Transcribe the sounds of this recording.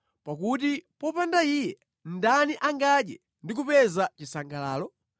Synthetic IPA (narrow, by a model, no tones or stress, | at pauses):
pakut̬ipɔpandaijɛ | n̩daniʔaŋɡaɗɛ | ndik̬upɛzat͡ʃisaŋɡalaːlɔ